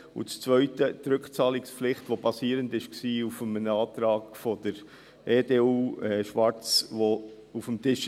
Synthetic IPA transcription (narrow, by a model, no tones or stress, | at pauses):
ṵt͡st͡svœʏtət̪ɾʏkχt͡sɑːliksplɪχtʋobɑsiːɾəndɪʃksiːufəmənɑːt̪ɾɑːɡ̥fɔd̥əɾ | eːdeːuːɛʃʋɑɾt͡sʋo | ufəmtɪʃ